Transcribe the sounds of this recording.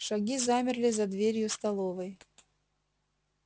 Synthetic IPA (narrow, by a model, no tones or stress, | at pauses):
ʂɐɡʲizamʲɪrlʲɪzɐd̪vʲeɾʲjʊst̪ɐlˠovɨj